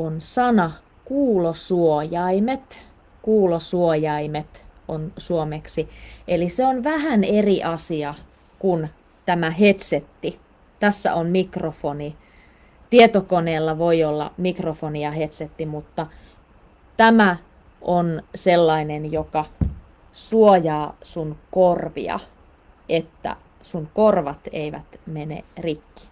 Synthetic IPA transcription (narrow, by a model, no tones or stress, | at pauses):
onsɑnɑ | kuːlosuojɑimet̪ | kuːlosuojɑimet̪onsuomeksieliseonʋæhæneriʔɑsiɑ | kun | t̪æmæhet̪set̪ːi | t̪æsːæ̰ʔommikrofoni | t̪iet̪okoneːlːɑʋoiolːɑ̰mikrofonijɑhet̪set̪ːimut̪ːɑ | t̪æmæ | ʔonselːɑinenjokɑ | suojɑːsunkorʋḭɑ̰ | ʔet̪ːæ̰ | suŋkorʋɑt̪ḛiʋæ̰t̪menḛrikːi̥